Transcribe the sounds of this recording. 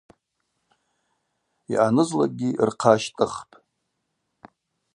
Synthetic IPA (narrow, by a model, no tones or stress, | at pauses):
iʔanɨzla̰ɡʲirqʰaʃtʼɨχpʼ